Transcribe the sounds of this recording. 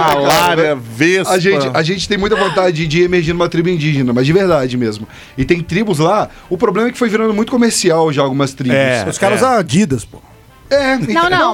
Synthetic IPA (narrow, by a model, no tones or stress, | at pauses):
aklaɾɐvesʒẽt͡ʃɪaʒẽnt͡ʃɪ̥t̪ẽj̃mũj̃t̪ɐvõnt̪ad͡ʒɪɪd͡ʒɪiemeɾʒĩd̪ũmɐt̪ɾibʊĩnd͡ʒiʒenɐmɐzd͡ʒɪveɾd̪ad͡ʒɪmezmʊ | ɪt̪ẽj̃t̪ɾibʊzla | ʊpɾoblẽmɐɛkɪ̥fojviɾɐ̃nd̪ʊmũj̃t̪ʊkomeɾsiawʒaaːwɡũmɐst̪ɾibɛsʊskaɾɐzad͡ʒid̪ɐspo̰h | ɛnɐ̃w̃nɐ̃w̃